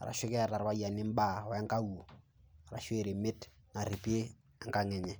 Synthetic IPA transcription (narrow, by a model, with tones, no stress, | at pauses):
a̰˨ɾa̰˨ʃɪ˦kɛ˦˨ɾa˨ɾwa˦ja˨nɪ˦m˦ba˦˨ɔ˨ɛ˦ŋka˦wu˨ | a˨ɾa̰˨ʃe˦˨ɾe˨mɪ˦t | ŋa˨ɾi˨pe˦ | ɛ˦ŋka˦ŋɛ˨ɲɛ˦